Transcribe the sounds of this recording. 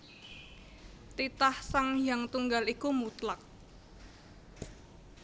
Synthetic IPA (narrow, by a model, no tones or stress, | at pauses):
t̪it̪ahsaŋjaŋt̪uŋɡalikumut̪lak̚